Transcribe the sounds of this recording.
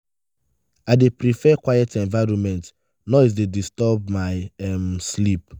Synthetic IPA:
adepɾifɛkwajɛtɛ̃nvaɪɹɔ̃nmɛ̃nt | nɔis̬dedistɔbmaɪɛmslip̚

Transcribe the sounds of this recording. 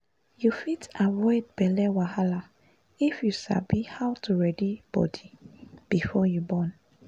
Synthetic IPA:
jufitavɔɪd̚bɛlɛwahala | ifjuʃa̰bihawtʰuɹɛdib̥ɔ̰dib̥ifɔjubɔ̃n

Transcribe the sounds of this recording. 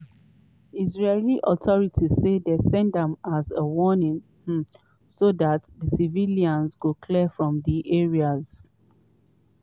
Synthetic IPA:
izɹeliʔɔtʰɔɹitʰizsedɛsɛ̃ndɛ̃mazəwɔnĩŋ̩ | soðatðəsiviliãnzɡokʰlifɹɔ̃mðiʔeɹiaz̥

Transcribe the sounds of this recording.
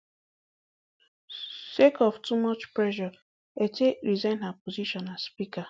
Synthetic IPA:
sekɔvtumɔt͡ʃplɛʒɔ | etʰekɾizɛ̃nhapoziʃɔ̃nazspika

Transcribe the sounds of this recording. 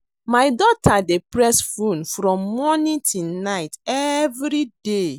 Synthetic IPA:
majdɔtʰadepɹɛsfũnfɹɔ̃mːɔnĩtʰunaɪtɛvɾide

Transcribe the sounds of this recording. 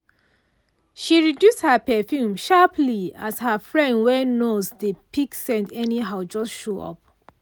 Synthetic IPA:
ʃiɹidjusthəpɛfjũmʃapliashəfɹɛ̃ndwɛnozdəpiksɛ̃ndɛniɦaʊd͡ʒɔstʃoɔ̰p̚

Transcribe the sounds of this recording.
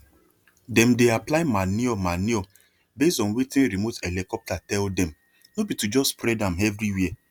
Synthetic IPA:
dɛ̃mdeaplaɪmaniɔmaniɔ | bestɔ̃nwitĩnɾimotelikɔp̚tatɛldɛ̃m | nobitud͡ʒɔspɾɛdãmɛvɾiwiɛ

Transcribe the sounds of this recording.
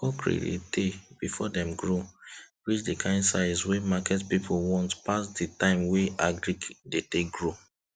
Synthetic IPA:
kɔkɹḛḛdeb̥ifɔdɛ̃mɡɹopɹit͡ʃdekʰãɪ̃ndsaɪswemakɛtpipʰowɔ̃ntpasditãɪ̃mweʔaɡɹikdetekɡɹo

